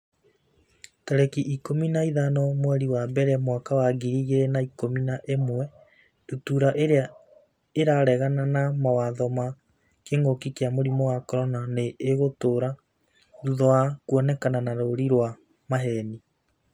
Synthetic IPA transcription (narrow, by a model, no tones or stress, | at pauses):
tɛɾɛkiʔikominaiðanɔmwɛɾiwabɛɾeamwakawaɡiɾiɣeɾenaikominaʔemwɛ | dutuɾaʔeɾea | eɾaɾɛɣananamawaðɔma | keŋokikeamoɾimɔwakɔɾɔnaneːɣotoːɾa | ɾuðɔakuɔnɛkananaɾoɾiɾwa | maɦɛni